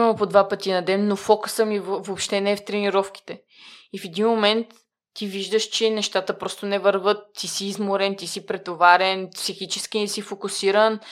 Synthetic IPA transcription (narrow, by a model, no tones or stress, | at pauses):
mɐmpod̪vapət̪ʲinɐd̪ɛnːofɔkusəmivopʃt̪ɛnɛft̪ɾɛniɾɔfk̟i̥t̪ɛ | ifɛd̪inmomɛnt̪ː | iviʒd̪əʃt͡ʃɛnɛʃt̪at̪əpɾɔst̪onɛvəɾvɤt̪ːisiːzmoɾɛnt̪isipɾɛt̪ovaɾɛnpsixit͡ʃɛskinɛsifokʊsiɾən